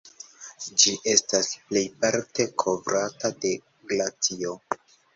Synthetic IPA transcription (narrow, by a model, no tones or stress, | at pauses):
d͡ʒiʔe̞stasple̞jpaɾte̞kʰo̞vɾatade̞ | ɡlat͡sio̞